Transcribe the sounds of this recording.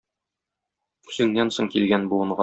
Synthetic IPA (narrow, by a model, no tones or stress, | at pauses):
sɵ̆ŋnænsoŋkilɡænbulˠɤ̆ɴɢɑ